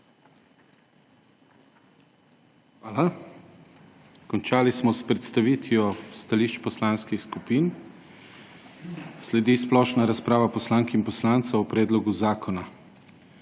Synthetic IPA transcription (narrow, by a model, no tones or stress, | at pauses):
xʋaːla | kɔnt͡ʃaːlismɔspɾɛt̪st̪aʋiːt̪jɔst̪aliːʃt͡ʃpɔslaːnskixskupiːn | slɛd̪isplɔːʃnaɾaspɾaːʋapɔslaŋkinpɔslaːnt̪saupɾɛːd̪lɔɡuzaːkʰɔna